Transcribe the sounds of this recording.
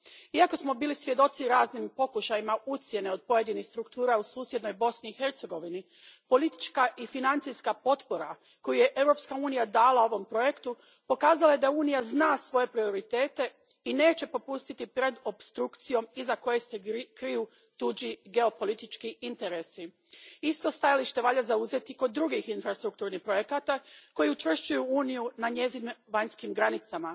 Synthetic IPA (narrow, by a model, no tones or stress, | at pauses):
iako̞smo̞biːlisʋje̞d̪o̞t̪siɾaːznimpo̞kuʃajimaut̪sje̞ne̞o̞d̪̚po̞je̞d̪inixst̪ɾukt̪uːɾausuːsje̞d̪no̞jbo̞sniːxe̞ɾt̪seɡo̞ʋini | po̞lit̪i̥t͡ʃkaʔifinant̪sijskapo̞t̪po̞ɾa | ko̞juje̞ʔe̞vɾo̞pskauːnijad̪aːlao̞ʋo̞mpɾo̞je̞kt̪u | po̞kaːzalajed̪auːnijaznaːsʋo̞je̞pɾio̞ɾit̪e̞ːt̪e̞ | ine̞ːt͡ɕe̞po̞pust̪it̪ipɾe̞d̪o̞pst̪ɾukt̪sijo̞mizako̞jese̞kɾiju | t̪ud͡ʑiɡe̞o̞po̞lit̪it͡ʃkiint̪e̞ɾe̞si | ist̪o̞st̪ajaliʃt̪e̞ʋaʎazauze̞t̪iko̞d̪ːɾuɡixinfɾast̪ɾuk̚t̪uːɾnixpɾo̞jekat̪ako̞jiut͡ʃʋr̩ʃt͡ʃujuuːnijunaɲe̞zinmʋaɲskimɡɾanit̪sama